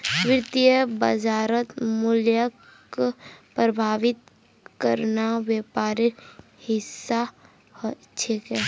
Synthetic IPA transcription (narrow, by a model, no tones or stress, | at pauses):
ʋɪɾt̪ijəbəd͡ʒaːɾət̪mʊljək | pɾəbʱaːʋɪt̪̚ | kəɾnawjeːpaːɾiɾ | hɪsːa | h | t͡ʃʰekɛ